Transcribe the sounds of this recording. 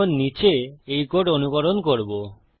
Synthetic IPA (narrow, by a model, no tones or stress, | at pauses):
onːit͡ʃeejkoʈonukɔɾonkoɾbo